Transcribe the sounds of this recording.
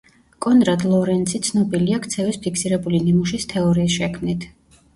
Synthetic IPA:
kʼɔnɾad̪lˠɔɾɛnt̪sʰit̪sʰnɔbiliakʰt̪sʰɛvɛspʰikʰsiɾɛbulinimuʃist̪ʰɛɔɾiːsʃɛkʰmnit̪ʰ

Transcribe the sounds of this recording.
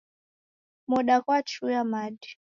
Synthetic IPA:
mɔɗakwat͡ʃujamaɗi

